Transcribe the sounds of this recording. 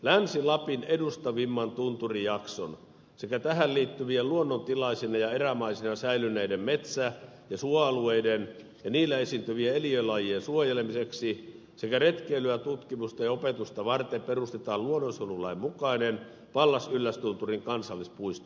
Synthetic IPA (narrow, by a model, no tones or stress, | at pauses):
lænsilɑpinedust̪ɑʋimːɑnt̪unt̪urijɑkso̰n | sekæt̪æhælliːt̪ːyʋieluonːont̪ilɑisinɑjɑeræmɑisinɑsæilynːeidemmet̪sæ | jɑsuɑɑlueiden | jɑniːlːæesint̪yʋieeliølɑjiensuojelemiseksi | sekæret̪keːlyæt̪ut̪kimust̪ɑjɑopet̪ust̪ɑʋɑrt̪emperust̪et̪ɑːluonːosolulɑimmukɑinen | pɑlːɑsylːæst̪unt̪uriŋkɑnsɑlːispuist̪o